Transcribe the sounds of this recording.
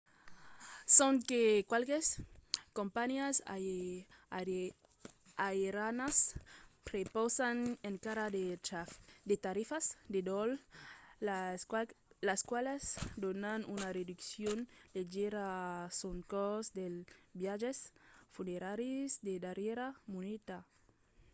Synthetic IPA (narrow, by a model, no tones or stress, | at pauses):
soŋkekwalkeskompanjas | aeɾanaspɾepɔsaneŋkaɾad̪e | d̪et̪aɾifasd̪ed̪ɔl | laskwalesd̪onanunared̪uksjonleʒeɾasoŋkɔzd̪elbjaʒesfuneɾaɾizd̪ed̪aɾjeɾamunit̪a